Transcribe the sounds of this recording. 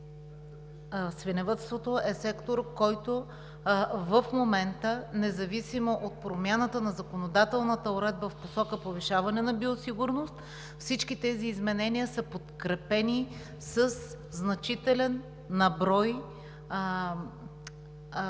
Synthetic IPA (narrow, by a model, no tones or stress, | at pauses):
svinɛvət̪st̪vot̪oɛsɛkt̪oɾkɔjt̪o | vəfmomɛnt̪ənɛzɐvisimoʔot̪̚pɾomʲjanət̪ənɐzɐkonod̪at̪ɛlˠnət̪əoɾɛd̪̚bəfposɔkəpoviʃavɐnɛnɐbiosiɡʊɾnost̪ | fsit͡ʃkit̪ɛziːzmɛnɛniəsəpot̪kɾɛpɛni | səs | znɐt͡ʃit̪ɛlɛnː | ɐbɾɔj